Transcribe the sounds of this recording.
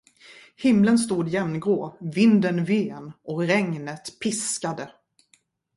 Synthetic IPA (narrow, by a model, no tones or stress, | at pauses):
hɪmlənst̪uːd̪jɛmnɡoːvɪnd̪ənveːnɔkɾɛŋnət̪pʰɪskad̪ə